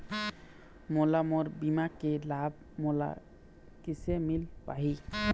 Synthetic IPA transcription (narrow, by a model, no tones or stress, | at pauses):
molamoɾbimakːelab̚ | mola̰ | kisemilpa̰ɦi